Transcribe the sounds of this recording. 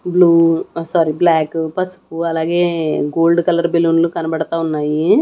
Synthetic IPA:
bluːsaːɾiblaːkpɐsu̥kuɐlaːɡeːɡoːlɖkɐlɐɾbelːuːnɐlukɐnɐbɐɽɐt̪aːunːaːji

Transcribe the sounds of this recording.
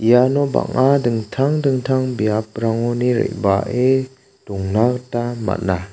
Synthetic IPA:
ijanɔba̰ŋadɯŋtʰaŋdɯŋtʰaŋbijap̚ɾaŋɔniɾḛʔ̚baʔe | d̥uŋnaktama̰t̚na

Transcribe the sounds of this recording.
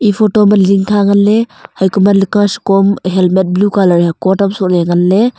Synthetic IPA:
ipʰotomanliŋkʰaŋanlehajkumalikaskɔmɦelmet̚blukalaɾiakɔtamsɔʔleŋanle

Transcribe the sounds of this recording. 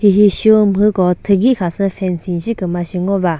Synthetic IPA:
hiɦiɕumɦɯkɔt̪ʰɯɡikʰasɯfʰɛnsinɕikɯmaɕiŋɔba

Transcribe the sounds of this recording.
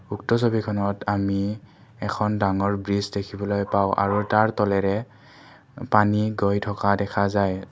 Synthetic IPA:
uktɔsobikʰɔnɔtami | ɛkʰɔndaŋɔɹbɹizdekʰibɔlojpaʊ̃ʔa̰ɹutaɹtɔlɛɹɛ | paniɡɔjtʰɔkadɛkʰazaj

